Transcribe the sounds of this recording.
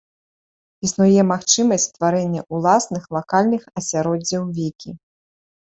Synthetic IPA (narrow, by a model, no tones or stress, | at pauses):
isnujɛmaxt͡ʂɨmɐsʲt͡sʲt̪vaɾɛnʲːɐʔulˠasnɨxlˠakalʲnɨxɐsʲaɾɔd͡zʲːɐwvʲikʲi